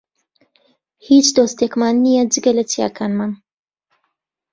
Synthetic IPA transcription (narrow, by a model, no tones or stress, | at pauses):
hit͡ʃd̪oːst̪eːkmaːnːijɛd͡ʒɨɡɐlɐt͡sija̰ːkʰaːnman